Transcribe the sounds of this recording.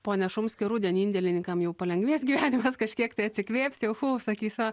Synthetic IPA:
poːnʲɛʃʊmsʲkʲɪɾuːd̪ʲiɛnʲiːnʲd̪ʲɛlʲɪnʲɪŋkɐmjɛʊpɐlʲɛŋɡʋʲiɛsɡʲiːʋʲæːnʲɪmɐskɐʃʲkʲiɛkt̪ɐɪɐt̪ʲsʲɪkʋʲeːpʲsʲjɛʊfusɐkʲiːsʲɐ

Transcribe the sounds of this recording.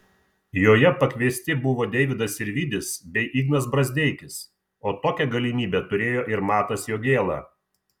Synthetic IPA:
joːjɛpɐkʲʋʲiɛsʲt̪ʲɪbʊʋoːd̪ʲɛɪʋʲɪd̪ɐsɪɾʲʋʲiːd̪ʲɪsbʲɛɪʔiːɡnɐsbɾɐzʲd̪ʲɛɪkʲɪs | oːt̪oːkʲɛɡɐlʲɪmʲiːbʲɛt̪ʊɾʲeːjoːʔɪɾmɑːt̪ɐsjoːɡʲeːlˠɑ̰ː

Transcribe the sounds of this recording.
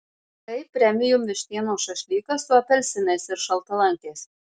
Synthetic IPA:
t̪ɐɪpʲɾʲɛmʲɪjʊmʲʋʲɪʃʲt̪ʲiɛnoːʃɐʃʲlʲiːkɐsʊɐpʲɛlʲsʲɪmʲɛːsɪɾʃɐlˠt̪ɐlˠɐŋʲkʲeːs

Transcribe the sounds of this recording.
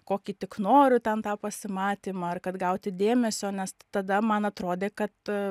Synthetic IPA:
koːkʲiːt̪ʲɪknoːɾʲʊt̪ʲɛnt̪ɑːpɐsʲɪmɑːt̪ʲiːmɑɐrkɐt̪ɡɐʊt̪ʲɪd̪ʲeːmʲɛsʲoːnʲɛst̪ɐd̪ɐmɐnɐt̪ɾoːd̪ʲeːkɐt̪

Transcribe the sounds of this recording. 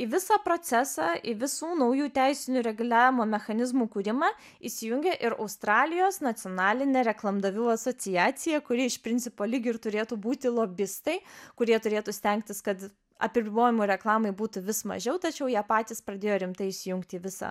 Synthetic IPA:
ɪʋʲɪsɑːpɾoːt͡ssʲæsɑːʔɪʋʲɪsuːnɐʊjuːt̪ʲæɪsʲɪnʲʊɾʲɛɡʊlʲæːʋʲɪmoːmʲɛxɐnʲɪzmuːkuɾʲɪmɑː | ɪʃsʲɪjʊŋʲɡʲɛʔɪɾɐʊst̪ɾɑːlʲɪjoːsnɐt͡ssʲɪjoːnɑːlʲɪnʲɛɾʲɛklˠɐmd̪ɐʋʲuːɐsoːt͡ssʲɪjæːsʲɪjɛkʊɾʲiɛɪʃpʲɾʲɪnʲtsʲɪpoːlʲɪɡʲɪɪɾt̪ʊɾʲeːt̪uːbuːt̪ʲɪlˠoːbʲɪst̪ɐɪkʊɾʲiɛt̪ʊɾʲeːt̪uːsʲt̪ʲɛŋk̚t̪ʲɪskɐt̪ | ɐ̰pʲɪbʲɪboːjɪmuːɾʲɛklˠɑːmɐɪbuːt̪ʊʋʲɪsmɐ̰ʒʲɛʊt̪ɐt͡ʃʲɛʊjiːpɑːt̪ʲiːspɾɐd̪ʲeːjoːɾʲɪmt̪ɐɪɪʃsʲɪjʊŋkt̪ʲiːʋʲɪsɑ̰

